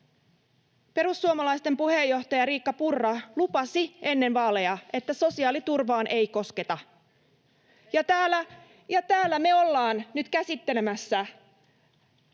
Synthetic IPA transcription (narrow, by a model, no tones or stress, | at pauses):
pe̞ɾusːuomɑlɑjst̪e̞mpuhe̞jːo̞ht̪ɑjɑɾiːkːɑpurːɑlupɑsie̞nːe̞nʋɑːle̞jɑe̞t̪ːæso̞siɑːlit̪urʋɑːnʔe̞jko̞ske̞t̪ɑ | jɑt̪æːlːæ | jɑt̪æːlːæme̞o̞lːɑːnnyt̪kæsit̪ːe̞lemæsːæ